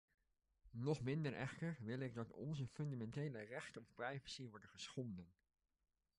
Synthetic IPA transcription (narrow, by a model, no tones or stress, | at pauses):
nɔχmɪndəɹʔɛ̰χtəɹʋɪlˠɪɡ̚dɑtɔ̰nzəfɵndamɛntejlərɛχtəɔfprɑjvəsiʋɔɹdəχəsχɔndən